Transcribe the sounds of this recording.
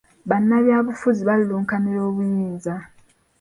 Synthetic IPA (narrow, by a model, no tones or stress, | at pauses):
βanːaβjaːβufuziβalluːŋkaniɾo̞ːβujiːnza